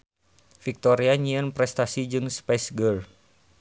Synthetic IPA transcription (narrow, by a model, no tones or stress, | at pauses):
fik̚t̪ɔɾiaɲiənpɾɛst̪asid͡ʒɨŋspɛsɡəl